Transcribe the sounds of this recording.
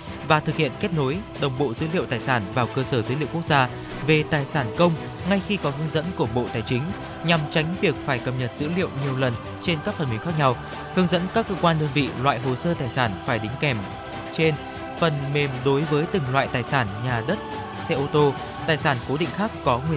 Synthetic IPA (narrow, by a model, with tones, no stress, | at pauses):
vaː˨˩t̪ʰɨ˨˩k̚hḭ˧˨ənke˦˥t̚no˨˦jɗə˨˩wŋ͡mɓo̰˧˨zɨ̰˧˥lḭ˧ə˨wt̪aː˨˩jsaː˧˩nvaː˨˩wkəː˧səː˧˩zəː˨˦lḭ˧˨ə˨wkwk̚zaː˧ | ve˨˩t̪aː˨˩jsaː˧˩nkə˧wŋ͡m | ŋa˧jxi˧kɔ˨˦ɦɨ˨˦əŋzə̰˧˥nku˧˩əɓo̰˧˨t̪aː˨˩jt͡ɕï˨˦ŋ̟ | ɲa˨˩mt͡ɕa˨˦jŋ̟vi˨˩ək̚faː˧˩jkə˨˩p̚ɲə˨˩t̚z̥ɨ̰˧˥lḭ˧˨əwɲi˨˩əwlə˨˩n | t͡ɕe˧nkaː˦˥k̚fə˨˩mi˨˦ŋxaː˦˥k̚ɲa˧w | hɨ˨˧əŋzə̰˧˥nkaː˦˥kːəː˧kwaː˧nɗəː˧nvḭ˧˨lwa̰ː˧˨jɦo˨˩səː˧t̪aː˨˩jsaː˧˩nfaː˧˩jɗï˨˦ŋ̟kɛ˧˩m | t͡ɕe˧n | fə˨˩nme˨˩mɗo˨˦jvəː˨˦jt̪ï˨˩ŋlwa̰ː˧˨jt̪aː˨˩jsaː˧˩nɲaː˨˩ɗə˦˥t̚ | sɛ˧ʔo˧t̪o˧ | t̪aː˨˩jsaː˧˩nko˨˦ɗḭ̈˧˨ŋ̟xaː˦˥kːɔ˨˦ŋwi˨˩